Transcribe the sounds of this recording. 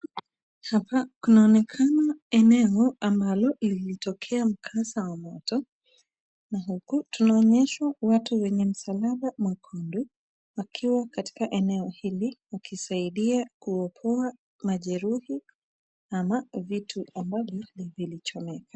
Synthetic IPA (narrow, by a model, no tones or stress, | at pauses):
hapakunaɔnɛkʰanaɛnɛɔambalɔliilitɔkʰɛam̩kʰasawamɔtɔ | naɦukutunaɔɲɛʃwawatuwɛɲɛm̩salaɓamwakʰɔndu | wakʰiwakati̥kaʔɛnɛɔhiliwakʰisaiɗiakuɔpʰɔa | maʄɛɾuhi | amavitʰuambavjɔlivilit͡ʃɔmɛkʰḁ